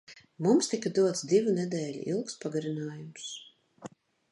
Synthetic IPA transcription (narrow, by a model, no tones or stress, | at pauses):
mumst̪ikad̪uɔt̪sd̪ivunɛd̪ɛːlʲḭʔilˠkspaɡaɾinaːjums